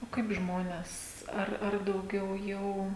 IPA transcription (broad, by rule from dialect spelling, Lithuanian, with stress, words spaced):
oː ˈkɐɪp ˈʒmoːnʲɛs ˈɐr ɐr dɐʊˈɡʲɛʊ ˈjɛʊ